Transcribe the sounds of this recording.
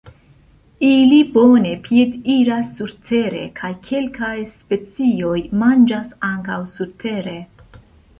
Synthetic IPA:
ilibo̞ne̞piediɾasːuɾtʰe̞ɾe̞̰kʰajkʰe̞lkajspe̞t͡sio̞jmand͡ʒasaŋkawsuɾtʰe̞ɾe̞

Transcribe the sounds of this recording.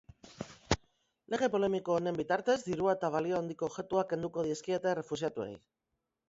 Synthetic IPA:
le̞ɣ̞e̞po̞le̞miko̞ːne̞mbit̪aɾt̪e̞zd̪iɾuaet̪aβ̞alio̞and̪iko̞ːβxe̞t̪uake̞nd̪uko̞ðieskiet̪ere̞fusiat̪ue̞̰j

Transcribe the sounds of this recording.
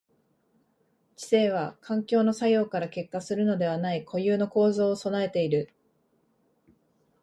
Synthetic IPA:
t͡ɕi̥se̞ːβ̞akʰãŋkʲo̞ːno̞sajo̞ːkaɾake̞kːasɨɾɯ̟no̞d̪e̞β̞anaikʰo̞jɯːno̞ko̞ːzo̞ːso̞nae̞t̪e̞iɾɯ̟

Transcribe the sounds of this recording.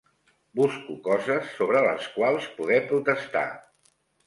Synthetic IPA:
buskukɔzəsːoβɾələskwalˠspuðɛpɾut̪əst̪a̰

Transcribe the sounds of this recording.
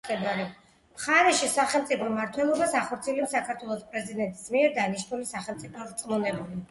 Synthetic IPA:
kʼɛd̪aɾi | mχaɾɛʃisaχɛlˠmt̪sʼipʰɔmaɾt̪ʰwɛlˠɔbasaχɔɾt̪sʰiɛlɛpsakʰaɾt̪ʰwɛlˠɔspʼɾɛzid̪ɛnt̪ʼismiɛɾd̪aniʃnulisaχɛlˠt̪sʼipʰɔɾt̪sʼmɔnɛbuli

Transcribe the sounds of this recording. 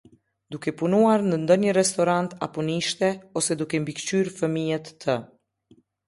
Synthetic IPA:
d̪ukɛpunuaɾnənd̪ɔɲəɾɛst̪ɔɾant̪a̰pɔniʃt̪ɛɔsɛd̪ukɛmbikt͡ɕyɾfəmijɛt̪ːə

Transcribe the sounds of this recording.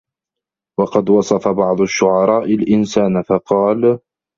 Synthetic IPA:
wɑqɑd̪wɑsˤɑfɑbɑʕd̪ˤʊʃːʊʕɑɾˤɑːʔɪlʔɪnsaːnfɑqɑːl

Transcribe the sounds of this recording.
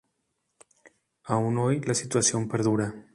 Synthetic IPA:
aunojlasit̪uasjompeɾð̞uɾa

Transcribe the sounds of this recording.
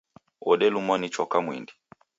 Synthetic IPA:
ɔɗɛlumɔnit͡ʃɔkamwḭndi

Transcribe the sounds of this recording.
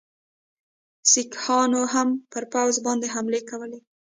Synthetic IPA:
sikhɑnoɦampəɾpawzbɑnd̪eɦamlekawəle

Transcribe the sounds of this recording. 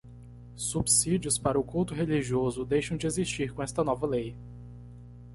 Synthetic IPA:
subsid͡ʒiʊspaɾɐʊkuwt̪ʊɦeliʒiozʊd̪ejʃɐ̃w̃d͡ʒɪezist͡ʃiɾkõɛst̪ɐnɔvɐlej

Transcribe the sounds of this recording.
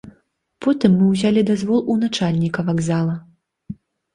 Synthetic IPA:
pʰɔt̪ɨmːɨwzʲalʲid̪azvɔlˠunat͡ʂalʲnʲikɐvaɡzalˠɐ

